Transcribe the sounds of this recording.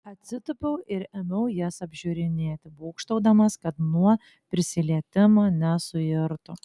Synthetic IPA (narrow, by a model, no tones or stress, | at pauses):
ɐt̪ʲsʲɪt̪ʊpʲɛʊɪɾɛmʲɛʊjæsɐbʲʒʲʊɾʲɪnʲeːt̪ʲɪbuːkʃt̪ɐʊd̪ɐmɐskɐt̪nuɔ | pʲɾʲɪsʲɪlʲiɛt̪ʲɪmonʲɛsʊjɪɾt̪ʊ